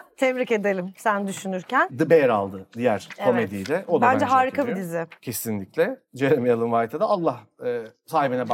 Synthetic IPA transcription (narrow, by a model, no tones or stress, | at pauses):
t̪ʰɛmɾice̞d̪elʲimsænd̪yʃynyɾcænd̪ɯbejɾa̰lˠd̪ɯd̪ijæɾ̥kʰo̞med̪ijd̪ɛʔod̪bænd͡ʒɛɦaːɾikʰabid̪izɪcʰe̞sinlʲiclʲɛd͡ʒe̞ɾemɛjalˠɯmvaːt̪ʰad̪aːlˠːahɯːsaːɦibinɛb